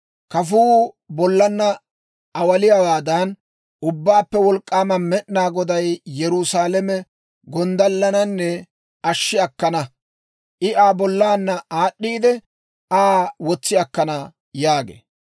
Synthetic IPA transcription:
kɐfuː | bɔlːɐnːɐ | ʔɐwɐlɪjɐwaːd̪ɐn | ʔʊbːaːpːɛwɔlkʼːaːmɐnmɛʔnaːɡɔd̪ɐjjɛɾʊsaːlɛmɛ | ɡɔnd̪ɐlːɐnɐnːɛ | ɐʃːɪɐkːɐnɐ | ʔɪʔaːbɔlːaːnːɐaːɗːiːd̪ɛ | ʔaːwɔt͡sːɪɐkːɐnɐ | jaːɡḛː

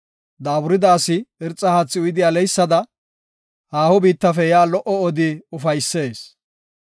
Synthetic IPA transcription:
d̪aːbʊɾɪd̪aːsɪɪɾt͡sʼːɐhat͡sːɪʊjd̪ɪjaːlɛjsːɐd̪ɐ | haːhɔbiːt̪ːɐfɛjaːlɔʔɔɔd̪ɪʊfɐjsːe̞ːs

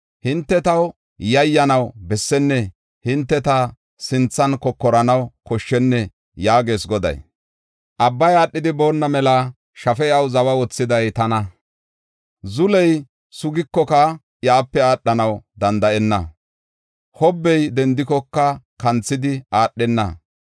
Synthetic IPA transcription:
hɪnt̪ːɛt̪ɐw | jɐjːɐnɐwbɛsːɛnːɛ | hɪnt̪ːɛt̪ɐ | sɪnt͡sːɐnkɔkːɔɾɐnɐwkɔʃːɛnːɛ | jaːɡe̞ːsɡɔd̪ɐ̰j | ʔɐbːɐjaːɗːɪd̪ɪbo̞ːnːɐmɛlɐ | ʃɐfɛɐwzɐwɐwɔt͡sːɪd̪ɐjt̪ɐnɐ | zʊlɛj | sʊɡɪkːɔkɐ | jaːpːɛaːɗːɐnɐwd̪ɐnd̪ɐʔɛnːɐ̰ | hɔbːɛjd̪ɛnd̪ɪkɔkːɐkɐnt͡sːɪd̪ɪʔaːɗːɛnːɐ̰

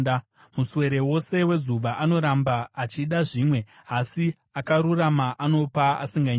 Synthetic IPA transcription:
muswe̞ɾe̞wo̞se̞we̞zuʋaʔano̞ɾambaːt͡ʃiɗaʐiːmwe̞ | asi | akaɾuramaʔano̞paa̰siŋɡaɲ

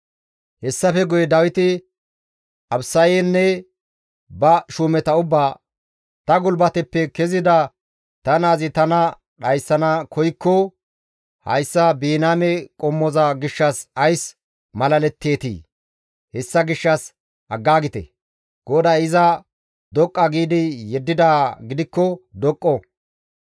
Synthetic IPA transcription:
hɛsːɐfɛɡʊjɛd̪ɐwɪt̪ɪ | ɐbsɐjɛnːɛ | bɐʃuːmɛt̪ɐʊbːaː | t̪ɐɡʊlbɐt̪ɛpːɛkɛzɪd̪ɐ | t̪ɐnaːzɪt̪ɐnɐ | ɗɐjsːɐnɐkʰɔjkːɔ | hɐ̰jsːɐbiːnaːmɛkʼɔmːɔzɐɡɪʃːɐsɐjs | mɐlɐlɛt̪ːe̞ːt̪ḭː | hɛsːɐɡɪʃːɐs | ɐɡːaːɡɪt̪ɛ̰ | ɡ̥ɔd̪ɐjɪzɐ | d̪ɔkʼːɐɡiːd̪ɪjɛd̪ːɪd̪aːɡɪd̪ɪkːɔd̪ɔkʼːɔ

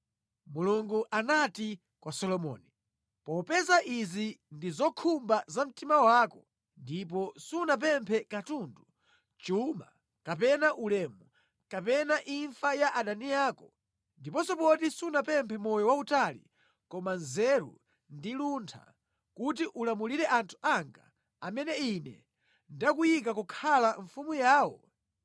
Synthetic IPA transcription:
muluŋɡuʔanati | kwasɔlɔmɔ̰ːni | pɔpɛzaʔizindizɔkʰumbazam̩timawaːkɔ | ndip̬ɔsunap̬ɛmpʰɛkatundu | t͡ʃuma̰ | kap̬ɛnaʔulɛmu | kapɛnaʔiɱfajaʔaɗanijaːkɔ | ndipɔsɔpɔtisunapɛmpʰɛmɔjɔwautalḭ | kɔmanzɛɾṵ | ndiluntʰa̰ | kut̬iʔulamuliɾɛʔantʰu̥ʔaŋɡa̰ | amɛnɛinɛ̰ | ndakujik̬akɔkʰalaɱfumujaːwɔ

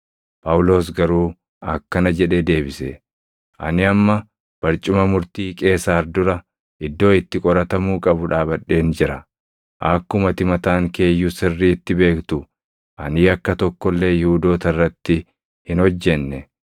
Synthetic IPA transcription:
pʼɐwʊlo̞ːs̬ɡɐɾuː | ɐkːɐnɐd͡ʒɛᶑe̞ːd̪e̞ːbɪsɛ | ʔɐ̰nɪɐmːɐ | b̥ɐɾt͡ʃʼːɪmɐmʊɾt̪iːkʼe̞ːsaːɾd̪ʊɾɐ | ʔɪd̪ːo̞ːɪt̪ːɪkʼɔɾɐt̪ɐmuːkʼɐbʊᶑaːbɐᶑːe̞ːnd͡ʒɪɾɐ | ʔɐkːʊmɐt̪ɪmɐt̪aːŋke̞ːjːusɪrːiːɪt̪ːɪbe̞ːkt̪ʊ | ʔɐniːɐkːɐt̪ɔkːɔlːe̞ːjɪhuːd̪o̞ːt̪ɐrːɐt̪ːɪ | hɪnhɔd͡ʒːɛnːɛ

